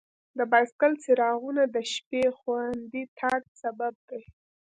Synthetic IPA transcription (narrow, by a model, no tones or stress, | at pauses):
d̪əbaskalt͡siɾɑɣunad̪əʃpexwand̪it̪ʰaɡ̚sabab̚d̪aj